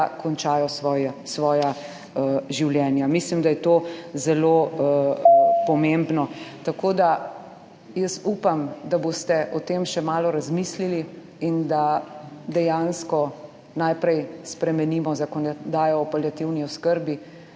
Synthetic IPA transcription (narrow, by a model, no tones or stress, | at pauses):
kɔnt͡ʃaːjɔjsʋɔːja | ʒiwljɛːnjamislimd̪ajɛt̪ozɛlo | pɔmembnɔt̪akod̪a | jəsuːpamd̪abost̪ɛʔɔt̪eːmʃɛmaːlɔɾazmislili | ind̪ad̪ɛjanskɔ | najpɾɛjspɾɛmɛniːmɔzakɔnd̪aːjɔːpaljat̪iwniɔskəɾbi